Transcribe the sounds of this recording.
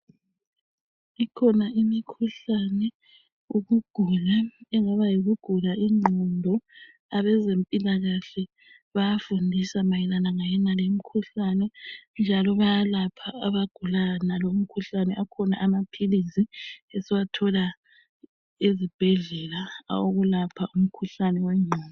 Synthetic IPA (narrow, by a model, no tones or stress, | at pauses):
ikʰɔnaʔimikʰuɬanɛ | uɣuɡ̥ʱulaɛŋaβajiɣuɡ̥ʱulaiŋ͡ǃʱɔndʱɔ | aβɛzempʼilaɣaɬɛ | βajafundʱisamajɛlanaŋajɛnalem̩kʰuɬanɛnd͡ʒʱalɔβajalapʰaaβaɡ̥ʱulanalom̩kʰuɬanɛʔakʰɔna̰ʔamapʰilisiesiwatʰɔla | ezib̥ʱɛɮɛlaoɣulapʰaʔum̩kʰuɬanɛwɛŋ͡ǀʱɔːnɔ